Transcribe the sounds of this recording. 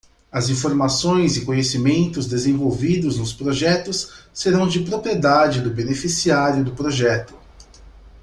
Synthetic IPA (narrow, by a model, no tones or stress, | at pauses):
ɐzĩfoɾmasõj̃zɪkõɲesimẽnt̪ʊzd̪ezẽvowvid̪ʊznʊspɾoʒɛt̪ʊsːeɾɐ̃w̃d͡ʒɪpɾopɾied̪ad͡ʒɪd̪ʊbenefisiaɾjʊd̪ʊpɾoʒɛt̪ʊ̥